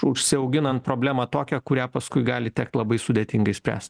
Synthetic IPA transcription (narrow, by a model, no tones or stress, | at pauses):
ʊʃʲsʲɪɐʊɡʲɪnɐnt̪̚pɾoːbʲlʲæːmɑːt̪oːkʲɛkʊɾʲæːpɐskʊɪɡɑːlʲɪt̪ʲɛk̚t̪lˠɐbɐɪsʊd̪ʲeːt̪ʲɪŋɡɐɪsʲpʲɾʲæ̰ːsʲt̪ʲ